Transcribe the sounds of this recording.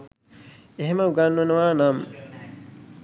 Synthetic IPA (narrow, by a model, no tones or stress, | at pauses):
eɦeməuɡanːɐnɐʋaːnam